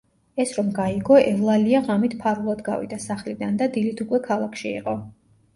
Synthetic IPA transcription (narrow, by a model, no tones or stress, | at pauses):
ɛsɾɔmɡaiɡɔʔɛvlˠaliaʁamit̪ʰpʰaɾulˠad̪ɡa̰vḭd̪asaχlid̪and̪ad̪ilit̪ʰukʼwɛkʰalˠakʰʃiḭqʼɔ